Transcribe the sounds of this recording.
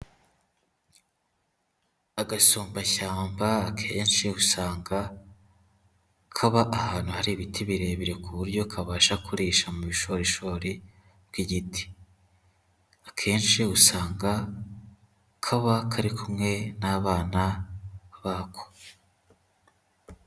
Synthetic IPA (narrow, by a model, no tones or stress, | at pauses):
aɡasuːmbaçaːmbaːkʰe̞ːnʃiusaːŋɡa | kʰaβaʔahaːnhuhaɾiβitiβiɾe̞βiɾe̞kuβuɾɟo̞kʰaβaːʃakuɾiːʃamuβiʃo̞ɾiʃoːɾi | bɡiɟitʰi̥ | akʰe̞ːnʃiusaːŋɡa | kʰaβakʰaɾikʰumŋe̞naːβaːna | βaːkʰo̥